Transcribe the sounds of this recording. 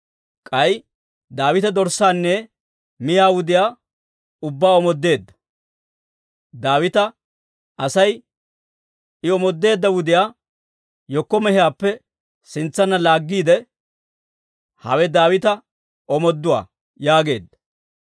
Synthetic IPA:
kʼɐj | d̪aːwɪt̪ɐd̪ɔɾsaːnːɛ | mɪjaːwʊd̪ɪjaː | ʊbːaːɔmɔd̪ːe̞ːd̪ːɐ̥ | d̪aːwɪt̪ɐ | ʔɐsɐj | ɪɔmɔd̪ːe̞ːd̪ːɐwʊd̪ɪjaː | jɔkːɔmɛhɪjaːpːɛ | sɪnt͡sːɐnːɐlaːɡːiːd̪ɛ | hɐ̰wɛd̪aːwɪt̪ɐ | ɔmɔd̪ːʊwa̰ː | jaːɡe̞ːd̪ːɐ̥

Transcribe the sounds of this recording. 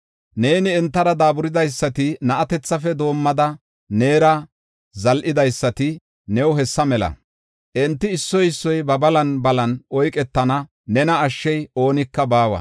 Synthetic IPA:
neːnɪɛnt̪ːɐɾɐd̪aːbʊɾɪd̪ɐjsːɐt̪ɪnɐʔɐt̪ɛt͡sːɐfɛd̪o̞ːmːɐd̪ɐ | ne̞ːɾɐ | zɐlʔɪd̪ɐjsːɐt̪ɪ | nɛwʊɦɛsːɐmɛlɐ̰ | ʔɛnt̪ːɪːsːɔjɪsːɔjbɐbɐlɐnbɐlɐnʔɔjkʼɛt̪ːɐnɐ | nɛnɐːʃːɛjo̞ːnɪkːɐbaːwɐ̰

